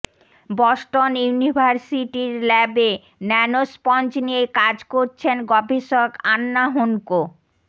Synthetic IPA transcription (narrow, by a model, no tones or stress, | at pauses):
bɔʃʈonjunibʱaɾsiʈiɾlɛbe | nɛnospɔnt͡ɕnijekad͡ʑkoɾt͡ɕʰenɡɔbʱiʃokanːaɦunko